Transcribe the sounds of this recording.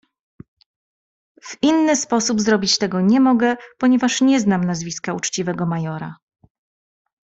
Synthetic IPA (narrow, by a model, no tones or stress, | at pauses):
v̥inːɘspɔsubzɾɔbʲit͡ɕt̪ɛɡɔɲɛmɔɡɛpɔɲɛvaʂɲɛznamnazvʲiskaut͡ʂt͡ɕivɛɡɔmajɔɾa̰